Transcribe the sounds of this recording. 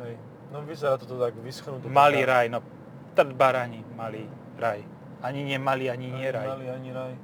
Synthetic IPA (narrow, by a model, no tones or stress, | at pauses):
ɦɛj | nɔʋizɛɾat̪ɔt̪ɔt̪aɡʋisxnut̪ɔmaliːɾajnɔ | t̪r̩d̪baɾaɲimaliː | ɾaj | aɲiɲɪɛmaliaɲiɲɪɛɾajliaɲiɾaj